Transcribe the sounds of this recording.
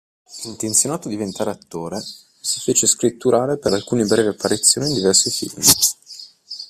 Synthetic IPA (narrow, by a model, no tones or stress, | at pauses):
int̪ent̪sjonaːt̪oad̪ivent̪aːɾeat̪ːoːɾe | sifeːt͡ʃeskɾit̪ːuɾaːɾepeɾalkuːnibɾɛːveapːaɾit̪sjoːnind̪ivɛrsifḭlmi